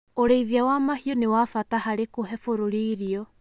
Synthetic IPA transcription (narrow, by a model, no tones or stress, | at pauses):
oɾeiðiawamahiɔnewafatahaɾekoɦɛfoɾoɾeiɾiɔ